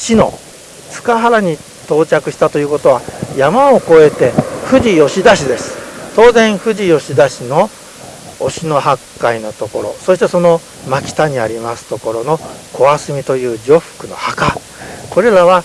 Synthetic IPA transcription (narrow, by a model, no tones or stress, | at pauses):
ɕino̞̰ | t͡sɨ̥kaɦaɾaɲ̟i | t̪o̞ːt͡ɕakɯ̟ɕi̥t̪at̪o̞jɯ̟ːko̞t̪o̞β̞ajamaoko̞e̞t̪e̞ɸɯ̟ʑijo̞ɕid̪aɕid̪e̞sɨ̥t̪o̞ːzẽ̞ɰ̃ɸɯ̟ʑijo̞ɕid̪aɕino̞ː | ɕino̞ɦakːaino̞t̪o̞ko̞ɾo̞̰so̞ɕi̥t̪e̞so̞no̞ | makʲi̥t̪aɲ̟iaɾʲimasɨ̥t̪oko̞ɾo̞no̞kʰo̞asɨmʲit̪o̞jɯ̟ːd͡ʑo̞ɸɯ̟̥kɯ̟no̞̰haka | ko̞ɾe̞ɾaβa